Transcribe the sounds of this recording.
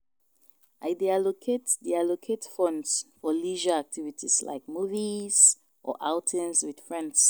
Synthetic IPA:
ʔaɪdealokʰetdialokʰetfɔ̃ndsfɔliʒəak̚tʰivitʰiz̥la̰ɪk̚muviz̥ | ʔɔ̰ʔaʊtʰɛ̃mswid̥fɹɛ̃nds

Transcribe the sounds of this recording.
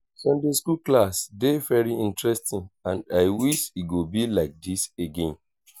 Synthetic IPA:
sɛ̃ndeskuklasdevɛɹiĩntɹɛstĩnãnaɪwiʃiɡobilaɪk̚diseɡẽn

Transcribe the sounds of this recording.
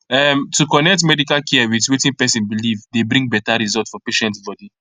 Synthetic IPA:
ɛmtʰukɔnɛk̚tmɛdikalkʰɛwiðwetĩnpɛsĩnbilivdebɾĩŋɡ̚bɛtaɹizɔltfɔpeʃɛ̃ntsbɔdi

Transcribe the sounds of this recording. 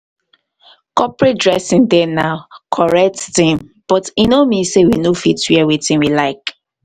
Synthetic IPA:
kɔpɹet̚dɹɛsĩŋdɛnaʊkʰɔɹɛk̚tĩm | b̥ɔtinomisewinofitwiɛwitĩmwilaɪk

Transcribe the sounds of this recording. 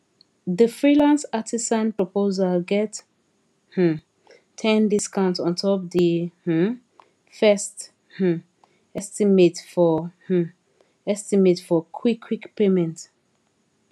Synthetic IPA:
ðəfɹilãnsatʰisãnpɹɔpʰozalɡɛt | h̩ | tʰɛ̃ndiskãʊ̃ntɔ̃ntʰɔpdih̩ | fɛst | h̩ | ɛstimetfɔh̩ | ɛstimetfɔkʰwikʰːwikpemɛ̃nt

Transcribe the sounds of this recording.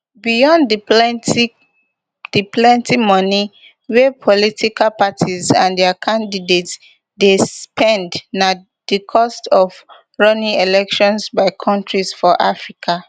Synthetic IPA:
bijɔ̃nd | d̥iplɛ̃ntʰimɔni | wɛpʰɔlitʰikalpatʰizã̰ndɛakʰãndidets | despɛ̃ndna | dikʰɔstɔv | ɹɔnĩŋelɛkʃɔ̃nsbaɪkʰɔ̃ntɹisfɔʔafɹikʰa

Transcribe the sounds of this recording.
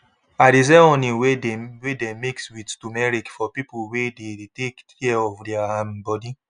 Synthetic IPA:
aɾizeõniweewedemikswidtumɛɹikfɔpipolwedetekʰ | ɛɔvdɛaambɔdi

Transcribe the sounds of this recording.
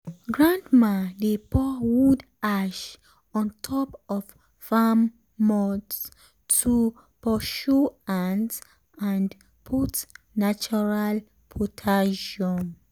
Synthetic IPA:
ɡɹãndmãdepɔwud | aʃ | ɔ̃ntʰɔpɔf | famː | ɔds | tʰu | pɔʃuãns | ãnd | pʰut | nat͡ʃɔɹal | pʰɔtʰaʃɔ̃m

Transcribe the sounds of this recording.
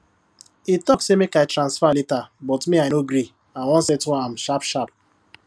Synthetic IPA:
itɔksemekaɪtɾãnsfaletabɔtmianoɡɾi | ãwɔ̃nsɛtwɔ̃am̩ʃapʃap̚

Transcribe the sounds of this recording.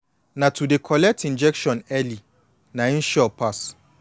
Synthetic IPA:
nãtʰudekʰɔlɛk̚tʰĩnd͡ʒɛkʃɔ̃nɛli | nãn̩ʃɔpʰas

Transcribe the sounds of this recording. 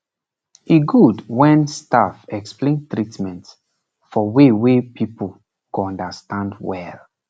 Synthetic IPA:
iɡudwɛ̃nstafɛksplẽntɹitmɛ̃nts | fɔwewepʰipul | kuɔ̃ndastãndwɛl

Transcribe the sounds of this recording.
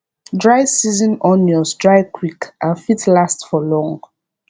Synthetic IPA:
dɹajsizɔ̃nɔnɔsdɹajkʰwikʔãnfitlastfɔlɔ̃ŋ

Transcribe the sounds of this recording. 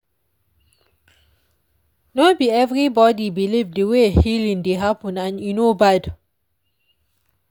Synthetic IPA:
nɔbiɛvɹibɔdibilivdəwehilĩŋdeɦapə̃nãnjunobad

